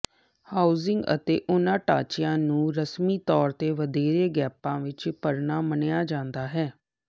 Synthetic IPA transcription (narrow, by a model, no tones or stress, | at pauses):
haːuzɪŋɡə̰t̪ḛːʔʊnãːʈa̰ːt͡ʃɪjãːnũːɾəsmiːt̪ɔːɾt̪eːʋəd̪eːɾeːɡɛːpãːʋɪt͡ʃpəɾnaːmənjaːd͡ʒãːnd̪aːɦɛː